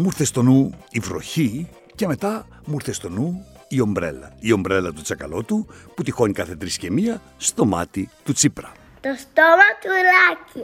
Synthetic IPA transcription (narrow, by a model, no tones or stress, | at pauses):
muɾθe̞st̪o̞nuivɾo̞̰çi | ce̞me̞t̪ɐ | muɾθe̞st̪o̞nu | io̞mbɾe̞lɐ̰io̞mbɾe̞lɐt̪ut͡sɐkɐlo̞t̪uput̪ixo̞nikɐθe̞t̪ɾiscemiɐ | st̪o̞mɐ̰t̪it̪ut͡sipɾɐ | t̪ost̪omat̪uelaci